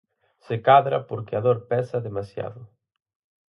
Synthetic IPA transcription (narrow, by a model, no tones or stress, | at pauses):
sekaðɾapoɾkɪaðoɾpɛsɐðemasja̰ðʊ